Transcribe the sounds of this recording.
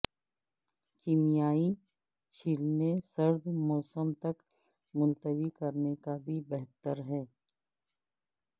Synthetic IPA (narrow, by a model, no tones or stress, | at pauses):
kimijaːi | t͡ʃʰiːlnesɐɾd̪mɔːsəmt̪ɐk | mʊ̃nt̪əwikɐɾnekabʱibɛɦt̪əɾɦɛː